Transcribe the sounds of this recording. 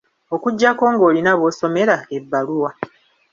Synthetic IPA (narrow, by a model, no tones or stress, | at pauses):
o̞kuɟːako̞ːŋɡo̞ːlinaβoːso̞me̞ɾaebːaluwa